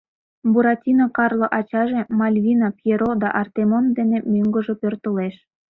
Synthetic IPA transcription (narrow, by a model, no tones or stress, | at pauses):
buɾɑtʲinokɑrloʔɑt͡ɕɑʒe̽mɑlʲβʲinɑpjeɾod̪ɑʔɑrt̪emond̪enemøŋɡə̆ʒepørt̪əleʃ